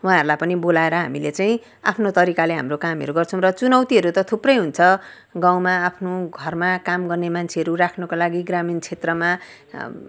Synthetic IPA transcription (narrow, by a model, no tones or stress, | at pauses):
wɦãɦʌɾulajpʌnibolaeɾʌɦa̰milet͡saj̃ | a̰pʰnot̪ʌɾikaleɦa̰mrokamiʌ̰ɾuɡʌrt͡sʰʌ̃w̃rʌt͡sunʌwt̪iɦʌɾut̪ʌt̪ʰuprʌjɦunt͡sʰʌ | ɡaw̃maːpʰnoɡʱʌrmakamɡʌrnemant͡sʰeɦʌɾurakʰnʌkolaɡiɡramint͡sʰet̪rʌma